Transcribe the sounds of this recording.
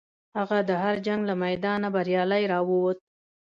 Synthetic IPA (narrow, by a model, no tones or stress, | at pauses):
haɣad̪əɦaɾd͡ʒaŋɡlamajd̪ɑnabaɾjɑlajɾɑwuwot̪̚